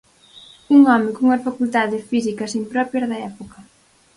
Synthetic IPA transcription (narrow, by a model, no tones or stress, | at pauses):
uŋɔmɪkuŋɐsfakult̪aðɪsfisikɐsimpɾɔpjɐzðɐɛpokɐ